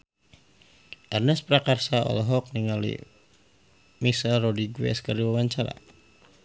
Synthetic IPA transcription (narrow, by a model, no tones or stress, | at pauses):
ʔɛrnɛspɾakarsaɔ̰lɦɔk̚niŋalḭ | misalrɔdiɡwɛ̰skəriwawaɲt͡ʃaɾa̰